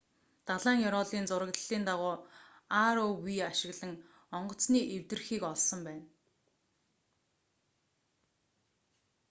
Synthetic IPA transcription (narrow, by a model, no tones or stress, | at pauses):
t̪aɮaːŋjɔɾɔːɮiːnt͡sʊɾə̆kt̪ə̆ɮiːnt̪aʁʊːaɾowiaʃɪ̆ɣɮə̆ŋ | ɔɴɢɞ̆t͡sniːʔewt̪ɘ̆rxiːkɔɮsɞ̆mpæːn